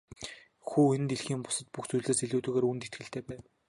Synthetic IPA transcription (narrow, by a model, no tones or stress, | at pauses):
xuːenɘ̆t̪eɮxiːŋpʊ̥sə̆t̪̚puxt͡sʰujɮeːseɮuːt̪ɵ̆ɣeːɾunt̪et̪ɡɘ̆ɬt̪ʰeːpæːw